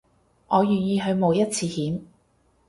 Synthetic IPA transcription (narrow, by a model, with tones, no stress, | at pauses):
ŋɔː˨˧jyː˨˩njiː˧ɦɵ˨˧ɥmo˨˧wjɐ˥t̚t͡sʰiː˧hiː˨˥m